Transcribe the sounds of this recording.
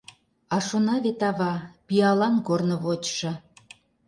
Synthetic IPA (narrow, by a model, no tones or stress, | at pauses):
ɑʃonɑβet̪ɑβɑpiɑlɑnkornə̆βot͡ɕʃɤ̆